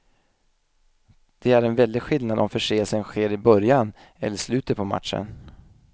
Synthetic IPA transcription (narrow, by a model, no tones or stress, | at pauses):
d̪̥ɛæɾɛnvɛld̪ɪɡɧɪlnad̪ɔmfœʂeːəlsənɧeːɾɪbœɾjan | ɛ̰lːəʂlʉ̟ːt̪ət̪̚pʰɔma̰t̪ʂə̰n